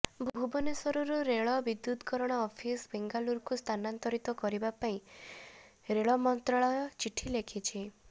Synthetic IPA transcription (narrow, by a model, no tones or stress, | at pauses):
bʱbʱubɔnesɔɾuɾuɾeɭɔbid̪ːut̪kɔɾɔɽ̃ɔːpʰisbeŋɡaluɾkust̪ʰanant̪ɔɾit̪ɔkɔɾibapaĩ | ɾeɭɔmɔnt̪ɾaɭɔjɔt͡ʃiʈʰilekʰit͡ʃʰi